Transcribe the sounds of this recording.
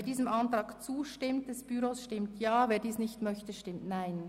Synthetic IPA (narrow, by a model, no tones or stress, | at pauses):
ɐdiːzəmʔantr̥ɑːɡt͡suːʃtɪmt̚d̥ɛsb̥yɾoːsʃtɪmtjaːveːdiːsnɪçtmœçtəʃtɪmtnaɪn